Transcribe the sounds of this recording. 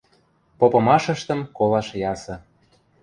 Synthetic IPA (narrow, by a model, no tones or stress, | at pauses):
popɤ̆mɑʃə̆ʃt̪ə̆mkolɑʃjɑsɤ̆